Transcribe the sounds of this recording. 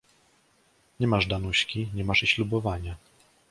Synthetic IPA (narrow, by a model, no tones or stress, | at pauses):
ɲɛmaʐd̪anuɕkʲiɲɛmaʂiɕlubɔvaɲa